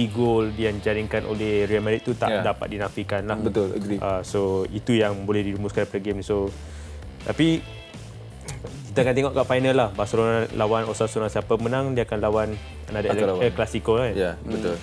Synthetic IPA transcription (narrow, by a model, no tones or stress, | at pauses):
iɡoldiaŋd͡ʒaɾiŋkanʔo̰lɛhrialmãɾit̪̚ːut̪a̰ʔdapa̰t̪̚dinãfikanlahbət̪ʊlʔasoit̪ujaŋbolɛhdiɾumuskanpɾəɡemniso | t̪api | kit̪aakant̪eŋɔʔkaʔfajnə̃lahbasolonalʔawanosasunãsiapamənãŋdiakanlawan | kanadaklasikolajabət̪ʊl